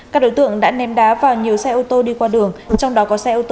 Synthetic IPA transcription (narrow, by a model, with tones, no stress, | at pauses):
kaː˦˥k̚ɗo˨˦jt̪ɨ̰˧˨əŋɗa̰ː˧˥nɛ˨˦mɗaː˨˦vaː˨˩wɲi˨˩əwsɛ˧ʔo˧t̪o˧ɗi˧kwaː˧ɗɨ˨˩əŋt͡ɕɔ˧wŋ͡mɗɔ˨˦kɔ˨˦sɛ˧ʔo˧t̪o˧